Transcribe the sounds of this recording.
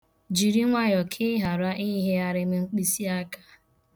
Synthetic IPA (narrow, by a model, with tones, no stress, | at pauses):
d͡ʒi˨ɾi˦ŋʷa˦ɲɔ˨kʰɪ˦ɦa˨ɾa˦ʔi˦ɦe˦a˦ɾɪ˦m̩˦ŋ͡m̩˦k͡pi˦si˦a˦kḁ˦